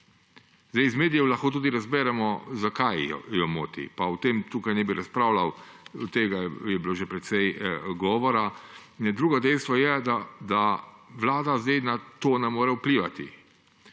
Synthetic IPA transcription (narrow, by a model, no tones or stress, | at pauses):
zd̪ɛjzmeːd̪ijɛwlaxkoːt̪̬uːd̪iɾazbɛːɾɛmɔzakaj̰jɔmo̰ːt̪ḭpawt̪eːmt̪uːkajnɛbiɾʔaspɾaːwlawt̪eːɡajɛbiloːʒɛpɾɛt̪sɛjɡɔːʋɔɾad̪ɾuːɡɔd̪ɛjst̪ʋɔjɛd̪ad̪aʋlaːd̪azd̪ɛjnat̪oːnɛmoːɾɛwpliːʋat̪ḭ